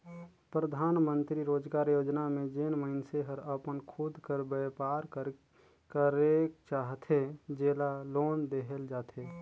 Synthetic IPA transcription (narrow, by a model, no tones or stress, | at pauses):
pɾəd̪ʱaːnmə̃nt̪ɾiɾoːd͡ʒɡaːɾjoːd͡ʒnamẽd͡ʒenməɪnseɦəɾəpənkʰuːd̪ʱkəɾbəpaːɾkəɾ | kəɾekt͡ʃaɦt̪ʰɦed͡ʒeːlaloːnd̪eɦəld͡ʒaːt̪ʰe